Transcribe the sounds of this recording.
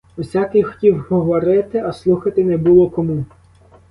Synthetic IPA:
usʲakɪxɔ̥tʲiwɦɔʋɔɾɪt̪ɪɐslˠuxɐt̪ɪnɛbulˠɔkɔmu

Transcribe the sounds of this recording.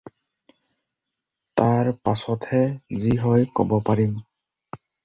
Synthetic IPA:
taɹpasɔtʰhɛziɦɔjkɔ̰bɔpaɹim

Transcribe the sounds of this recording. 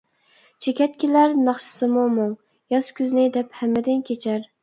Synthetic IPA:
t͡ʃʰekʲɛt̪kʲilæɾnɑχʃɪ̥sɪmʊmʊŋ | jɑskʲʰyznɪd̪ɛphæmːɪd̪ɪnkʲʰet͡ʃʰæɾ

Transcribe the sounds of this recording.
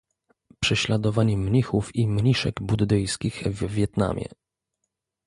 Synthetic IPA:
pʂɛɕlad̪ɔvaɲɛmɲixufimɲiʂɛ̰ɡbud̪d̪ɘjskʲixvʲvʲːjɛt̪na̰mʲjɛ̰

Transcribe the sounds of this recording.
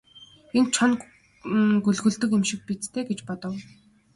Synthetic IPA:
ent͡ɕʰɔn | ɡɵɮɣɵ̆ɮt̪ɵ̆kemʃɪ̆k̚pit͡st̪ʰeːɡet͡ɕpɔt̪ɞ̆w

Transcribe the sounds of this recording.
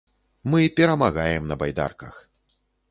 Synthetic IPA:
mɨpʲɛɾɐmaɣajɛmnɐbajd̪a̰rkɐx

